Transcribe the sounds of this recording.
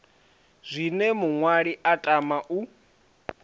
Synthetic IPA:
z̥ʷinɛmuŋwaɺiʔatʼamaʔu

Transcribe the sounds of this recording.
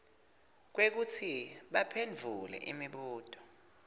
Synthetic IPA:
k̬wek̬ut͡sʰiɓapʰend͡vʱulɛ̰ʔimiɓuːd̥ʱʼɔ̥

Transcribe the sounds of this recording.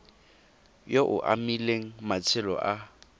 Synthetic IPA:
joʔʊ̰ʔa̰mileŋ̩mat͡sʰɪlɔ̰ʔa

